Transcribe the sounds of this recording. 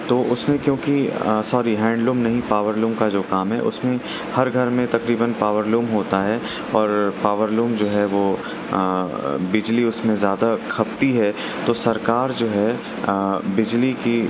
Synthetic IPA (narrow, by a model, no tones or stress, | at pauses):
t̪oːʔʊsmẽkjõːkisɔːɾiɦɛ̃ːɳɖluːmnɐɦĩpaːʋəɾluːmkad͡ʒoːkaːmɦɛ̰ʔʊ̰smẽ | hɐɾɡʱɐɾmẽt̪ɐkɾiːbənpaːʋəɾluːmɦoːt̪aɦɛ | ɔːɾpaːʋəɾluːmd͡ʒoːɦɛʋoː | bɪd͡ʒliʊsmẽzjaːd̪akʰɐb̚t̪iɦɛ | t̪oːsɐɾkaːɾd͡ʒoːɦɛ | bɪd͡ʒliki